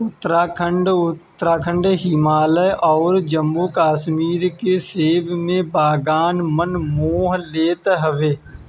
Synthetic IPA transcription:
ʊt̪ːəɾaːkʰə̃ɳɖʊt̪ːɾaːkʰə̃ɳɖɦɪmaːləjʔɔːɾd͡ʒəmbukaːʃmiːɾkeseːbmẽbaːɡaːnmənmoːɦleːt̪ɦəʋeː

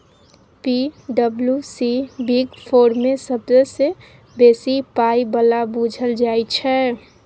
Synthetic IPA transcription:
piɖəbljusibiɡpʰoːɾmesəbzese | besipaibəlabud͡ʒʱəld͡ʒajt͡ʃʰɛ

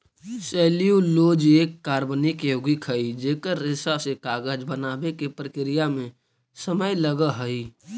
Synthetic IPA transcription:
seːlijuloːd͡ʒeːkːaːɾbənikeoɡɪkʰɦəid͡ʒeːkəɾːɪsasekaːɡəd͡ʒbənaːbekepɾəkɾijamẽ | səməjləɡəɦəi

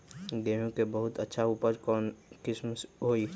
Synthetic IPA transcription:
d̪eɦũkebəɦʊt̪ətːʃʰaupəɾkɔːnkɪsmɦoi

